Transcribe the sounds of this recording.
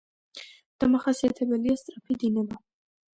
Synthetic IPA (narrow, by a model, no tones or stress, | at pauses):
d̪̥amaχasiat̪ʰɛbɛliast̪ʼɾapʰid̪inɛba